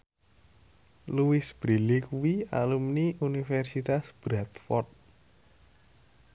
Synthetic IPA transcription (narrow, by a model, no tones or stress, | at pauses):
luwɪsb̥ɾilikuwia̰lumniʔunifɛrsit̪asb̥ɾat̪fɔrt̪̚